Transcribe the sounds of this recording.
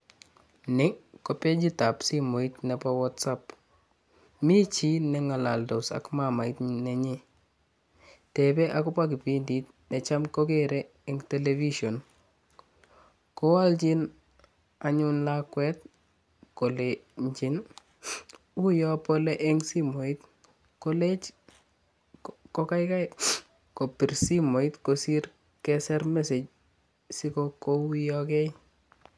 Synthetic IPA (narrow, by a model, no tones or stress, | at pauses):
nɪkɔpɛd͡ʒitapsimoitnɛpawɔtsap | mit͡ʃinɛŋala̰ldɔsa̰kmamaitnɛɲi | tɛbɛʔakʊpak̬ɪpindit | nɛt͡ʃamkɔkɛɾɛ | ɛŋtɛleviʃɔn | kɔwald͡ʒin | aɲunlakwɛt̚ | koleɲt͡ʃin | ujɔpolɛʔɛŋsimoit̚ | kolɛt͡ʃ | kokajkaj | kopirsimoitkosiɾ | kɛsɛrmeset͡ʃ | sikokoujɔkɛj